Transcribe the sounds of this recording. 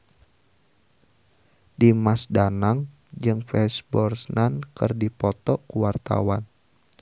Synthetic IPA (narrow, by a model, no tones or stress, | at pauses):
dimasdanaŋ | d͡ʒɨŋfɛsbɔrsnankɨrdipɔt̪ɔʔkuwart̪a̰wan